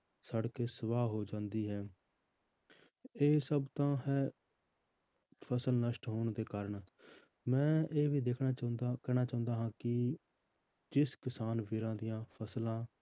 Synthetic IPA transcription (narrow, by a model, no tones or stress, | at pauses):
səɽkeːsəʋaːɦoːd͡ʒãːnd̪iːɦɛː | eːsəbt̪ãːɦɛː | pʰəsəlnəʃʈɦoːɳd̪eːkaːɾəɳ | mɛ̃ːʔeːʋiːd̪eːkʰnaːkɛːnaːt͡ʃaːʊ̃nd̪aːɦãːkɪ | d͡ʒɪskɪsaːnʋɪɾãːd̪ɪjãːpʰəslãː